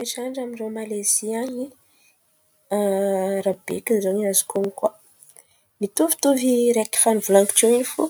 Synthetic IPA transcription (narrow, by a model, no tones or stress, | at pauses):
eʈ͡ʂaɳɖ͡ʐamiromaleziaɲi | ɾabḛkinzoɲazi̥koŋika | mit̪uvi̥t̪uviɾeki̥fanuvlaŋki̥t͡ʃeinifṵ